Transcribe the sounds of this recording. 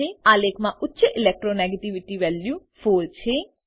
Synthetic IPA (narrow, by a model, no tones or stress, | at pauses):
eːaːleːkmãʔʊtːt͡ʃeʔɪlɛːk̚ʈɾoːnɛːɡeʈiʋɪʈiʋɛːljuːpʰoːɾt͡ʃʰeː